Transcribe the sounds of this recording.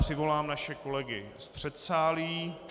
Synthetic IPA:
r̥ɪvo̞laːmnaʃɛko̞lɛɡɪ | spr̥ɛt̪saːliː

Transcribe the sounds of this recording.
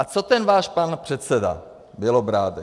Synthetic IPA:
ʔat͡sot̪ɛnvaːʃpanpr̝̥ɛt̪sɛda̰ | bɪlobɾaːd̪ɛ

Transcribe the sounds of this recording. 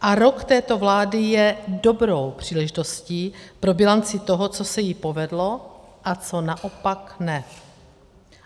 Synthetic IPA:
ʔaɾo̞kt̪ɛːt̪o̞vlaːdɪjɛdo̞bɾo̞wpr̝̥iːlɛʒɪt̪o̞sciːpɾo̞bɪlant͡sɪt̪o̞ɦot͡sosɛjɪpo̞vɛdlo̞ | ʔat͡so̞naʔo̞paknɛ

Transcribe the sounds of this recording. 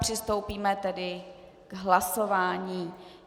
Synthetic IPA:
pr̥ɪst̪o̞wpiːmɛt̪ɛdɪ | ɡ̥ɦlaso̞vaːɲiː

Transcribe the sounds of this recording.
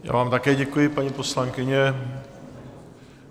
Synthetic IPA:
ja̰ːvaːmt̪akɛːɟɛkujɪpaɲipo̞slaŋkɪɲɛ

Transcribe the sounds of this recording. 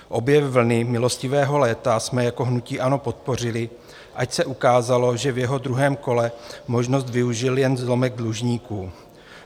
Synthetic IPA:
ʔo̞bjɛvl̩nɪmɪlo̞scɪvɛːɦo̞lɛːt̪asmɛjako̞ɦnuciːʔano̞po̞t̪̚po̞r̝ɪlɪ | ʔacsɛʔukaːzalo̞ʒɛvjɛɦo̞dɾuɦɛːmko̞lɛmo̞ʒnost̪vɪuʒɪljɛnzlo̞mɛɡ̚dluʒɲiːkuː

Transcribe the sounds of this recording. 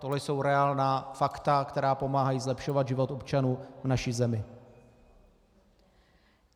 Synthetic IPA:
t̪oɦlɛjso̞wɾɛaːlnaːfakt̪akt̪ɛɾaːpo̞maːɦajiːzlɛpʃo̞vad̪ʒɪvo̞t̪o̞pt͡ʃanuːvnaʃizɛmɪ

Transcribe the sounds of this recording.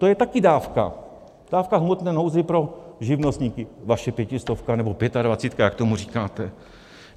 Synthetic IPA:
t̪ojɛt̪akɪdaːfka̰ | d̥aːfkaɦmot̪nɛːnowzɪpɾo̞ʒɪvnost̪ɲiːkɪvaʃɛpjɛcɪst̪ofkanɛbopjɛt̪advat͡siːt̪kajakt̪o̞muriːkaːt̪ɛ

